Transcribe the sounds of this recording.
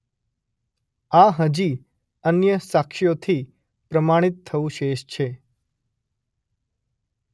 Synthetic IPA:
aɦəd͡ʒi | ənjəsakʃijot̪ʰi | pɾəmaɽ̃it̪ʰːəʋũʃeʃt͡ʃʰe

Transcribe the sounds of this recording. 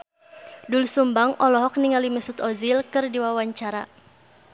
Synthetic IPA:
dulsumbaŋɔlɔɦɔk̚niŋaliməsut̪ɔzilkɨrdiwawaɲt͡ʃaɾa

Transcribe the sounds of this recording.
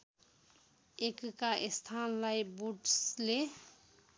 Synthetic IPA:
ekkaʔest̪ʰanlajbuʈsle

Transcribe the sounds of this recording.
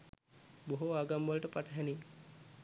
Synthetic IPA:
boɦuaɡamːəlʈəpaʈʰɐɦɛni

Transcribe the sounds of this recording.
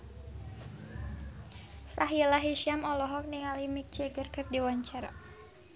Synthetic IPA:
saɦilaɦiʃiamɔlɔɦɔk̚niŋalimik̚t͡ʃɛɡərkɨrdiwaɲt͡ʃaɾa̰

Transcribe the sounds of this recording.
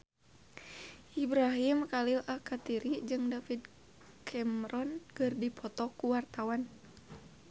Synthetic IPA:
ʔibɾaɦimkalilʔakat̪iɾid͡ʒɨŋdafid̪ | kʰɛmɾɔnɡɨrdipʰɔt̪ɔkuwart̪awan

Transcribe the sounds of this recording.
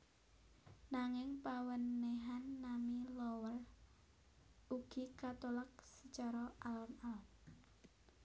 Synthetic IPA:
naŋɪŋpawənːeɦanːamilɔwər | uɡ̥ikat̪olak̚sət͡ʃɔɾɔʔalɔmalɔm

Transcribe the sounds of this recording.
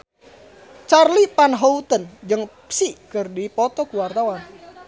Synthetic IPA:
t͡ʃarlipanɦout̪ənd͡ʒəŋpsikɨrdipɔt̪ɔkuwart̪awan

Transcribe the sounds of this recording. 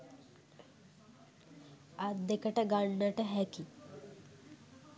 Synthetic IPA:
ad̪ːekəʈəɡaɳːəʈəɦæki

